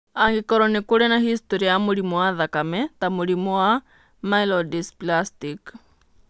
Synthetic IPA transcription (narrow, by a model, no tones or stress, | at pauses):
aŋɡikɔɾɔnikuɺɛnahist̪ɔɾiamulimɔwaðakamɛt̪amulimɔwa | mailɔdisplastik